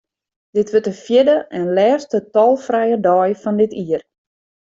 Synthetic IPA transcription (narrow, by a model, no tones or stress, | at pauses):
d̥ɪtʋøtəfjɪdəʔɛnlɛːrstətɔlˠfrɛjədɔːjfɔndɪtʰiːər